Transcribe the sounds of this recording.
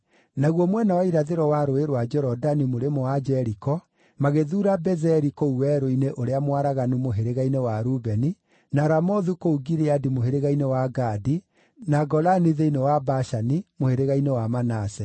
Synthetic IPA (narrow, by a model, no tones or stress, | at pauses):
naɣwɔmwɛnawaiɾaðeɾɔwaɾoeɾwad͡ʒɔɾɔdanimoɾemoad͡ʒɛɾikɔ | maɣeðuːɾabɛzɛɾikɔuwɛɾoineʔoɾeamwaɾaɣanumoɦeɾeɣainewaɾubɛni | naɾamɔðukouɡiɾeadimoɦeɾeɣainewaɡaːdi | naɡɔlaniðeinewabaʃanimoheɾeɣainewamanasɛ